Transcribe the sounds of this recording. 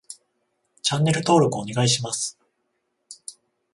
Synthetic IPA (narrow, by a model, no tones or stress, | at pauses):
t͡ɕãnːe̞ɾɯ̟t̪o̞ːɾo̞kɯoɲ̟iɡaiɕimasɨ̥